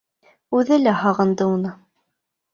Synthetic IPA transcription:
ʉðɘlæhɑʁɤ̆nd̪ɤunɤ

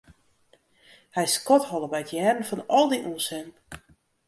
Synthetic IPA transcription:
hɛjskɔthɔlˠəbɛjətʰjɛːrən̩fɔnɔlˠdiʔunsɛn

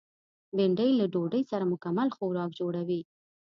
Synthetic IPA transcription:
bɪɳɖəjlaɖoɖəjsaɾamʊkamalxowɾɑk̚d͡ʒoɽawi

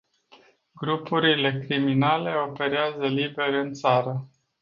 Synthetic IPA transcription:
ɡɾupuɾile̞kɾiminale̞o̞pe̞ɾeazəlibe̞ɾɨnt̪saɾə

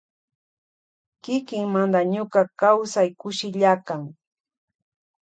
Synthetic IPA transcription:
kɪkɪŋmand̪aɲʊkakawsajkʊʃɪʎakaŋ

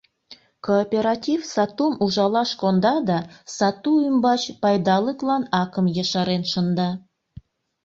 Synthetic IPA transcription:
koːpʲeɾɑtʲifsɑt̪umuʒɑlɑʃkond̪ɑd̪ɑsɑt̪uymbɑt͡ɕpɑjd̪ɑləklɑnɑkəmjɑʃɑɾenʃə̆nd̪ɑ

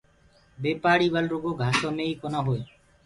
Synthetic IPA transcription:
beːpaːɽiːbəlɾoɡoːɡʱaːsoːmeːiːkonaːɦoe

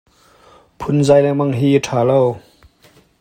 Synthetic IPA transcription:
pʰʊnzajlɛmaŋɦiːʈʰaːlɔw

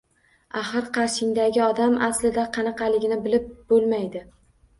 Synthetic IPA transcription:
aχɨɾqʰɑɾʃɪŋd̪aɡʲɪɒd̪amaslɪd̪aqʰɑnɑqɑlɪɡʲɪnɪbɪlɪp̚b̥olˠmajd̪ɪ

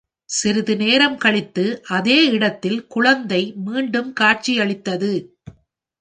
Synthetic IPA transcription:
sɪɾɯðɯneːɾɐmkɐɭɪt̪ːɯʔɐðeːɪɽɐt̪ːɪlkʊɻɐnd̪ɐɪmiːɳɖɯmkaːʈ̚t͡ʃijɐɭɪt̪ːɐðɯ

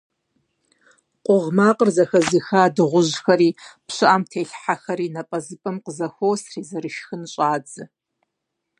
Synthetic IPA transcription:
qʷʼʊʁmaːqʼərzɐxɐzixaːdɨʁʷʊʑxɐɾiːpɕɨʔamtʰeːɬħaxɐɾiːnɐpʼɐzɨpʼɐmqəzɐxʷoːwsriːzɐɾɨʃxɨnɕʼaːd͡zʼɨ

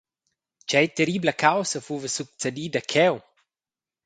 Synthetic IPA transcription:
t͡ʃɛjt̪eɾibləkawsəfuvəsuk̚t͡sed̪id̪akʰɛw

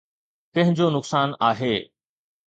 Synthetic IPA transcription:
kɐ̃ɦɪ̃ɲd͡ʑoːnʊksaːnaːɦeː

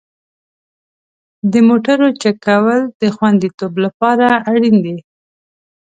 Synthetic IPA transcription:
d̪əmoʈaɾot͡ʃakawəld̪əxwand̪it̪oblapɑɾaːɽind̪e

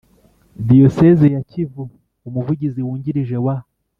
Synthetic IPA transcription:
d̪iosezejacivu | umuvuɟiziwuːɲɟiɾiʒe̞wa

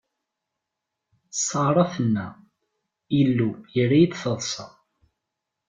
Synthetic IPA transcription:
sˤːɑɾˤɑθənːæ | ilːujəɾːæjid̪θəðˤsˤɑ̰

